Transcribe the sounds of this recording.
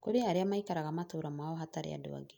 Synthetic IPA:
koɾeaaɾeamaikaɾaɣamatoːɾamaɔɦataɾḛa̰do̰a̰ɡe

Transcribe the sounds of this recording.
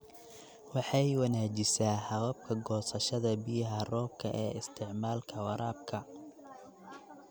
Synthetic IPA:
wɑħɑjwɑnaːt͡ʃɪsaːhɑɣɐb̚kʰɐɡɔːsɐʃɐðɐbɪjɦɐrɔːb̚kʰɐʔɛːɪst̪ʰɪʕmaːlkʰɐwɑɾaːb̚kʰɐ

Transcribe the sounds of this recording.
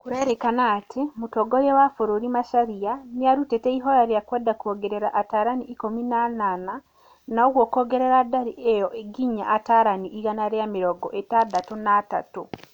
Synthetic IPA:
kuɾeɾekanaːtʰimutoɡoɾewafuɾuɾimaʃaɾijanjaɾuteteiɦoɾaɾjakweːdakuoɡeɾeɾaʔataːɾaniʔːkominanana | naoɣwokoɡeɾeɾadaɾiejoʔeɡiɲa̰ʔataɾaniʔːɣanaɾjamiɾoɡoʔetadatunaːta̰tu

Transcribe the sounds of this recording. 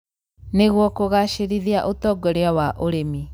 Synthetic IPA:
neɣwɔkoɣaʃeɾiðiaʔotɔɡɔɾeawaʔoɾemi

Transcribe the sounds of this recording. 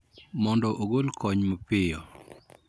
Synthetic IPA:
mɔndɔʔoɡolkʰɔɲmɔpɪjɔ

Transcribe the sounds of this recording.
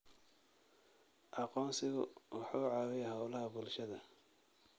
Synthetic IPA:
ʔɑqɔːnsɪɣʊwɑħɑʊʕɑːwɛjhɐwlɐɦɐbʊlʃɐðɐ

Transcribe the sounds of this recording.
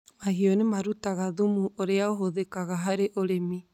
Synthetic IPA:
maɦiɔnemaɾutaɣaðumuʔoɾeaoɦoðekaɣaɦaɾeʔoɾemi

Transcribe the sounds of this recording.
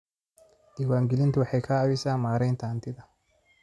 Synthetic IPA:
iːwaːŋɡɪlɪnt̪ʰʊwɑħɑjkʰɐːβɪsaːnmaːɾɛjnt̪ʰɐɐnt̪ʰɪðɐ

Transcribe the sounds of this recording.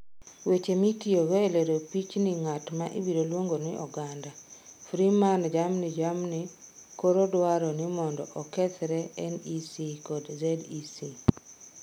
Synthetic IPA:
wet͡ʃemitioɡeeleɾopit͡ʃniŋatmaʔḭbidolwoŋɡoniʔɔɡandafɾimand͡ʒamnid͡ʒamnikoɾodwaɾɔnɪmɔndɔʔɔkɛt̪ɾɛɛnisikodzɛdisi

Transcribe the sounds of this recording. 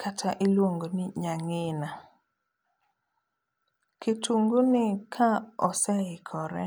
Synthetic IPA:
kʰatʰaʔɪlwoŋɡonɪɲaŋɪna | kɪtʰuŋɡunɪkʰaɔsɛɪkʰɔɾɛ̰

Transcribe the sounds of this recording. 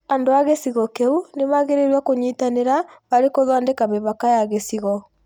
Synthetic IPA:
andoaɣesiɣɔkeuneβaɣeɾeɾwakoɲiːtaneɾaβaɾekoðwandekameβakajaɣesiɣɔ

